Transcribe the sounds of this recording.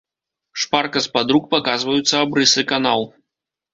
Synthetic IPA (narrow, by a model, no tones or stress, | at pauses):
ʂparkɐspad̪ɾuk̚pakazvɐjut̪sːɐabɾɨsɨkanaw̪ˠ